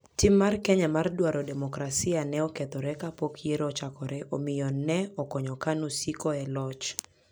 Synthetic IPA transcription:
timːarkɛɲamardwaɾɔdɛmɔkɾasianɛɔkɛt̪ɔɾɛkapokjeɾɔt͡ʃakɔɾɛʔomɪjɔnɛɔkɔɲɔkanusikɔɛlɔt͡ʃ

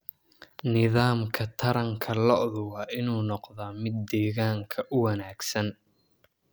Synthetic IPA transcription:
nɪðaːmkʰɐt̪ʰɐɾɐŋkʰɐlɔʔðʊwɑːʔɪnuːnɔqðamɪd̪ːɛːɣaːŋkʰɐʔʊwɐnaːɡsɐn

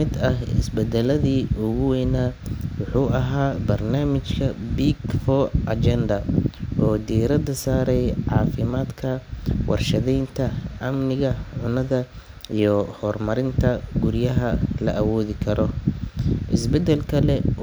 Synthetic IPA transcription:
ɪd̪ɐhɪ̰sbɛd̪ɛlɐðiːʔʊɣʊwɛjnaːwʊħuːɐɦaːbɐrnaːmɪt͡ʃkʰɐbiːɡfɔːʔɐt͡ʃɛnd̪ɐʔɔːd̪iːɾɐd̪ɐsaːɾɛjʕɑːfɪmaːd̪kʰɐwʔɑ̰rʃɐðɛjnt̪ʰɐʔɐmnɪɣɐʕʊnɐðɐ | ijɔhɔrmɐɾɪnt̪ʰɐɡʊɾjɐɦɐlɐʔɐwɔːðɪkʰɐɾɔ | ʔɪ̰sbɛd̪ɛlkʰɐlɛ

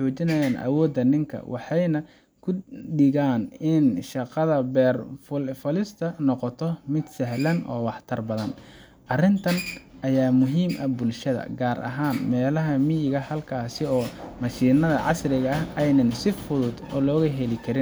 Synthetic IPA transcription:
t͡ʃɔːt͡ʃɪnɐjaːnʔɐ̰wɔːd̪ːɐnɪŋkʰɐ̰wʔɑ̰ħɑjnɐ | kʰʊɖɪɣaːnɪnʃɑqɑðɐbɛːrfʊfɐlɪst̪ʰɐnɔqɔt̪ʰɔmɪd̪sɛɦlɐnʔɔ̰ːwɑħt̪ʰɐrbɐðɐn | ʔɐrɪnt̪ʰɐnʔɐjaːmʊɦiːmʔɐ̰bʊlʃɐðɐ̰ɡaːɾʔɐ̰ɦaːnmɛːlɐɦɐmɪjɪɣɐhɐlkʰaːsɪɔːmɐʃiːnɐðɐʕɑ̰srɪɣɐɐɦɛjnɐnsɪfʊðʊd̪ɔ̰ːlɔːɣɐɦɛlɪkʰɐɾɪn

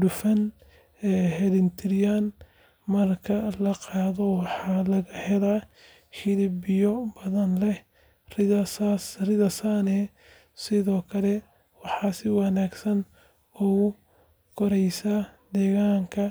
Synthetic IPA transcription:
ɖʊfɐn | ɛːɦɛlɪnt̪ʰɪɾjaːn | mɐrkʰɐlɐqɑːðɔwɑħɑːlɐɣɐhɛla | hɪlɪbɪjɔbɐðɐnlɛh | rɪɐsasrɪðɐsanɛ | sɪðɔːkʰɐlɛ | wɑħɑːsɪwɑnaːɡsɐn | ɔʊ | kʰɔɾɛjsaːd̪ɛːɣaːŋkʰɐ

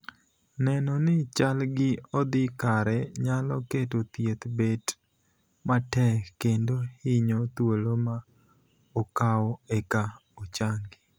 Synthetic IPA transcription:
nɛnɔnɪt͡ʃalɡɪɔd̪ɪkaɾɛɲalɔketot̪jet̪bet | matɛkːendohɪɲɔt̪woloma | okawɔɛkaot͡ʃaŋɡɪ

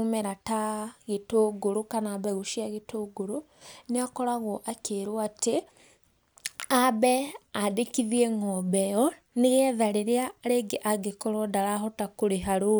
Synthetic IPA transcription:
umeɾataɣetoɡoɾukanaβɛɣuʃiaɣetoɡoɾu | neakɔɾaɣoʔakeɾwate | abɛadekiðjeŋɔbɛjɔ | neɣɛðaɾeɾeaɾeɡeʔaɡekoɾɔdaɾaɦɔtakuɾeɦaɾo

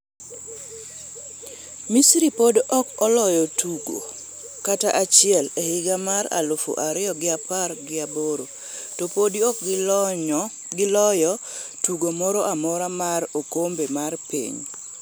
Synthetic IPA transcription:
misɾipodɔkɔlɔjɔtuɡo̰ | kataʔat͡ʃɪɛlehɪɡamaɾa̰lʊfo̰ʔaɾɪjɔɡɪapaɾɡɪaboɾo | topodiɔk | ɡɪlɔjɔ | tuɡomɔɾoʔamɔɾamaɾokombemarpḭɲ

